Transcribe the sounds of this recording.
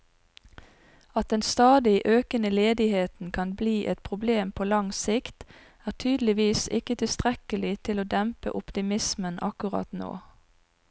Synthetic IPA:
ɑt̪̚d̪ɛnst̪ɑːd̪ɪʔøːkənəleːd̪ɪheːt̪n̩kʰɑnbliːʔɛt̪̚pʰʁʊbleːmpʰoːlɑŋsɪkt̪ | æːʁt̪ʰyːd̪l̩ɪʋiːsɪkət̪ʰɪst̪ʁɛkəlɪt̪ʰɪloːd̪ɛmpə̰ʔʊpt̪ɪmɪsmənʔɑ̰kʉʁɑ̰t̪no̰ː

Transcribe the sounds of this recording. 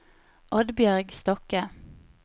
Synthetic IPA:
ʔɔd̪bjœʁɡst̪ɔkə

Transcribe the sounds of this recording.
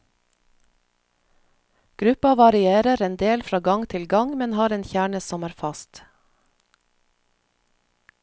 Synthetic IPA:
ɡ̥ɾʉpɑʋɑɾɪeːɾəɾɛnd̪eːlfɾɑːɡɑŋt̪ʰɪlɡɑŋmɛnhɑːɾeːnçæːɳəsɔmæːɾfɑst̪

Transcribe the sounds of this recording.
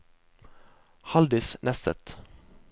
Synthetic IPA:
hɑld̪ɪsnʔɛst̪ə̰t̪

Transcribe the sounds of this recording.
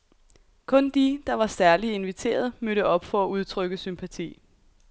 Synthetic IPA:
kʰɔ̽nd̥id̥ɑ̈ʋɑ̈sæɐlie̝nʋit͡sʰe̝̰ːɐð̞ˠmøɾəɒ̽b̥fɒ̽æuð̞ˠt͡sʰʁœɡ̥əsympʰæt͡sʰḭː

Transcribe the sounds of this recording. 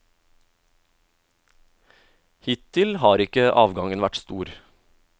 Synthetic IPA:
hɪt̪tʰɪlhɑːɾɪkəʔɑːʋɡɑŋənʋæʈst̪uːɾ

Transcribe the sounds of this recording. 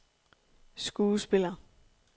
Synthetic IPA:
sɡ̥uːsb̥e̝lɐ

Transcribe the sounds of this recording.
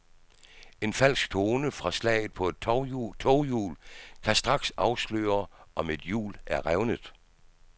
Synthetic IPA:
e̝nfæl̰sɡ̥̚t͡sʰo̝ːnəfʁɑ̈slɛ̰ːɪð̩ˠpʰɒ̽e̝d̥̚ʰt͡sʰɒʊjṵːlkʰæsd̥ʁɑ̈ɡ̥sɑ̈ʊslø̰ːɐʔɒ̽me̝d̥jṵːlæɐʁaʊnəð̩ˠ

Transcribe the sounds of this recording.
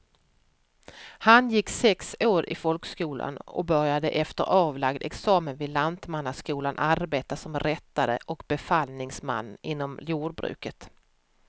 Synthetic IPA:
hanjɪkːsɛksoːɾɪ̰fɔlkskuːla̰nɔ̰bœɾjad̪əʔɛft̪əɾʔɑːvlaɡd̪ɛ̰ksɑːmənvɪlant̪manːaskuːlanʔaɾbeːt̪asɔmɾɛt̪ːad̪ə̰ʔɔkbɛfalnɪŋsma̰nːɪnːɔmljuːɖ̚bɾʉ̟̰ːkət̪

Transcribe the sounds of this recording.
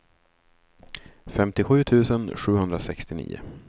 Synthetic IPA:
fɛmt̪ɪɧʉ̟ːt̪ʰʉ̟ːsənɧʉ̟ːɦɵnd̪ɾasɛkst̪ɪnḭːʊ̰

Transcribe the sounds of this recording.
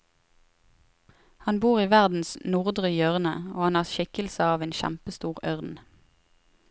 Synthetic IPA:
hɑnbuːʁiːʋæʁd̪n̩snʊʁd̪ʁʏjœʁnə̰oːhɑnhɑːʁʃɪkəl̩səɑːʋeːnʃæ̰mpəst̪uːʁœʁnn̩

